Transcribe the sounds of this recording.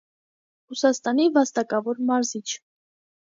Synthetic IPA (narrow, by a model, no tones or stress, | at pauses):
rusɑst̪ɑnivɑst̪ɑkɑvɔɾmɑɾzit͡ʃʰ